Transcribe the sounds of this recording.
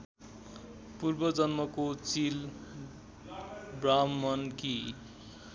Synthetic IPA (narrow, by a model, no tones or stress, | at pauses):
purbʌd͡zʌnmʌkot͡sil | bramːʌnki